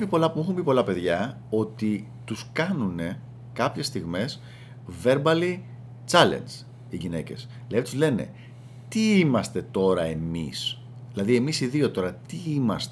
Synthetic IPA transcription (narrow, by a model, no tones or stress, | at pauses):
pipo̞lɐpuexumbipo̞lɐpe̞ðʝɐ | o̞t̪i | t̪uskɐnune̞ | kɐpçe̞st̪iɣme̞s | ve̞ɾbɐli | t͡sɐle̞̰nd͡z | iʝine̞ce̞̰s | let̪izle̞ne̞̰ | t̪iimɐst̪e̞t̪o̞ɾɐe̞mis | ðilɐðie̞misiðio̞t̪o̞ɾɐt̪iimɐst̪